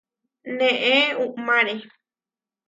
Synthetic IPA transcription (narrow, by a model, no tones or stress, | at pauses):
nẽʔẽũʔmãɾe